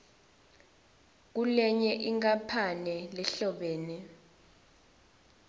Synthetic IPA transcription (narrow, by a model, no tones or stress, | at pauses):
k̬ulɛɲɛʔiŋk̬ʼapʰanɛlɛɬɔɓeːni